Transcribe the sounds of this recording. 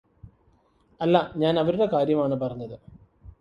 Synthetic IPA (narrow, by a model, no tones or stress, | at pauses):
ɐlːɐɲaːnɐʋɐɾuɽe̞kaːɾjɐmaːɳɨpɐrɐɲːɐðɨ